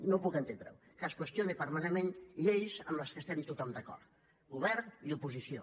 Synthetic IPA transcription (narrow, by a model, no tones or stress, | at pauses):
nopukənt̪end̪ɾə̰w | kəskwəst̪jonepəɾmanemẽnʎejzəmləskəst̪ɛmt̪ut̪ɔmd̪əkɔ̰ɾt̪ | ɡuβɛɾniupuzisio